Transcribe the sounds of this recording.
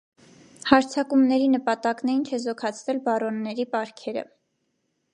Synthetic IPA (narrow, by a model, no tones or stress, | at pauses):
hɑɾt͡sʰɑkumnɛɾinəpɑt̪ɑknɛint͡ʃʰɛzɔkʰɑt͡sʰvɛlbɑrɔnːɛɾipɑɾkʰɛɾə̰